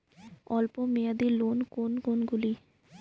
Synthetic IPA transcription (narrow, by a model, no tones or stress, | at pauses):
ɔlpomejad̪ilonkonkonɡuli